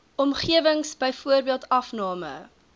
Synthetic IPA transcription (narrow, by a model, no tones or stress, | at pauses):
ɔmχiəvəŋsbəjfuərbiəlˠtɐfnɑːmə̰